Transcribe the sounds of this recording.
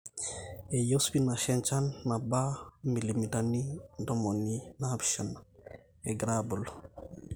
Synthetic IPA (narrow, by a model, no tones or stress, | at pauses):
ɛjosbinaʃɛnt͡ʃanːabamilimitanidɔmoninabʃan | ɛɡɾabul